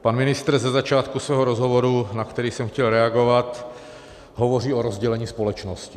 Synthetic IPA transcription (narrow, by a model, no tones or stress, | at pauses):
panmɪnɪst̪ɾ̩zɛzat͡ʃaːt̪kusvɛːɦoɾozɦovoɾunakt̪ɛɾiːsɛmxcɛlɾɛaɡo̞vat̪ | ɦovo̞r̝iːoɾo̞zɟɛlɛɲiːspo̞lɛt͡ʃnoscɪ̥